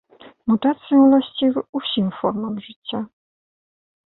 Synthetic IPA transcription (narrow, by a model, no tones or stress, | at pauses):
mut̪at̪sjɛ̃laɕt͡ɕivufɕimfɔɾmamʐɨt͡ɕʲːa